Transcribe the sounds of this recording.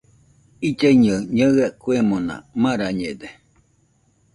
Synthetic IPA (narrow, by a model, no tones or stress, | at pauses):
id͡ʒaiɲəɲəɨakuemõnã̰mãɾaɲed̪e